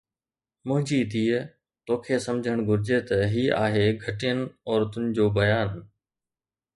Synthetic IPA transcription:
mʊ̃ɦɪ̃ɲd͡ʑit̪ʰiː | t̪oːkʰeːsɐmd͡ʑʱəɽ̃ɡʱʊɾɪd͡ʑet̪ɐɦiːʔaːɦeːɡʱɐʈijənɪ̆ɔːɾt̪ʊnɪ̆d͡ʑoːbɐjaːn

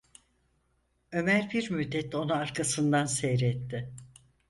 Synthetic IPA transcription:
ø̞mæɾbiɾmyd̪ːɛt̪o̞nuaɾkʰasɯnd̪ansejɾɛt̪ːɪ

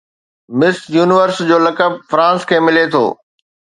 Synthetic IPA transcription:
mɪsjuːnɪʋəɾsd͡ʑoːlɐkəb̚fɾãːskʰeːmɪlet̪ʰo̰ː

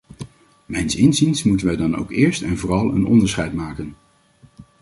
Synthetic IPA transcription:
mɛjnsɪnzinsmutənʋɛjdɑno̰wkɪːɹstɛnvʊːrɑlˠə̰nɔ̰ndəɹsχɛjtmaːkən

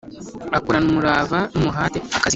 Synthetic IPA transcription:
akuɾanumuɾaːvanumuɦaːteakazi

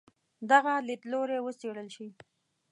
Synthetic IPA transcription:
d̪aɣalɪt̪loɾewəseɽəlʃi

